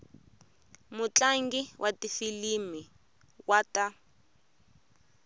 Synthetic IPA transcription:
mut͡ɬaŋɡiwʔatifilimi | wata

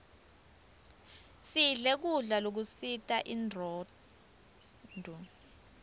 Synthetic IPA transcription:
siɮɛk̬uɮalok̬usitʼaʔindrɔː | dʱu

